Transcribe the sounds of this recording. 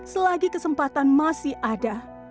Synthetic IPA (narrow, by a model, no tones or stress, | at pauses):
səlaɡikəsəmpat̪anmasɪhʔada